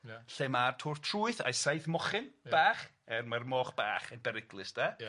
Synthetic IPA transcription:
ɬɪmartʰʊrtʰruːɨθa̰jsajθmɔχɪnb̥aːχɛrmarmɔːχb̥aːχɛnbɛɾɪɡlˠɪsd̥a

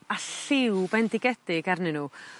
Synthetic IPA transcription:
aɬɪwbɛndɪɡɛd̥ɪɡarnɪnuː

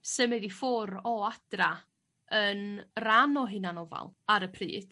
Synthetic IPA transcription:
səmɛðifʊɾɔad̥ra | ənranɔɦɪnanɔva̰lˠaɾəpʰrḭːd̥

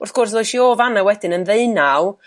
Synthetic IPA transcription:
ʊrθɡ̥ʊrsʊjʃioːvanawɛdɪnənðeɨnaw

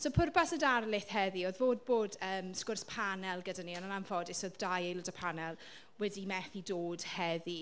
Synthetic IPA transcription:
sopʰʊrbasədarlˠɪθhɛðioðvoːd̚boːdəːmskʊrspʰanɛlˠɡədaniɔnənamfɔdɪsɔðdajejlˠʊdapʰanɛlˠ | wɛdimɛθidoːd̥hɛði

